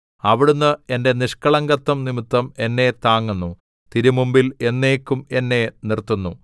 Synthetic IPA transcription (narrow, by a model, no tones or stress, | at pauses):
ɐʋiɽunːɨe̞nde̞niʂkɐɭɐŋɡɐt̪ːɐmnimit̪ːɐme̞nːe̞t̪aːŋːunːu | t̪iɾimumbile̞nːeːkʲːume̞nːe̞nirt̪ːunːu